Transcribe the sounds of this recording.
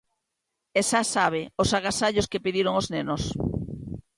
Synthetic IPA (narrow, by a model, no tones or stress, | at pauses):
esasaβ̞eosaɣasaʎoskepiðiɾoŋoznenos